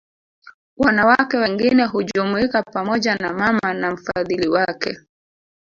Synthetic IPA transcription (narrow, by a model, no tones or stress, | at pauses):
wanawakɛwɛŋɡinɛɦuʄumuikapamɔʄanamamanam̩faðiliwakɛ̰